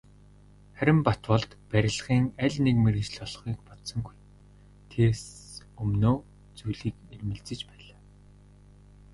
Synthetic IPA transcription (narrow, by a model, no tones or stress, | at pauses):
χæɾʲɪ̆mpat̪wɔɮt̪pæɾʲɪ̆ɮχiːŋæɮʲnekmerɘ̆t͡ɕɮɔɮχiːkpɔt̪sɞ̆ŋɡuj | t̪ʰes | ɵmnoː | t͡sujɮiːkermɘ̆ɮt͡sɘ̆t͡ɕpæːɮaː